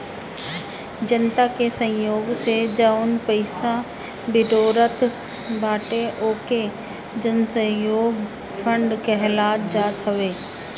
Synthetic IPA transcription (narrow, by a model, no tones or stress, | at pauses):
d͡ʒənt̪akesə̃joːɡsed͡ʒaʊnpəɪsa | bɪɖoːɾət̪ | bʱaːʈeʔoːke | d͡ʒənsə̃joːɡ | pʰə̃ɳɖkeɦlaːt̪̚d͡ʒaːt̪ɦəʋeː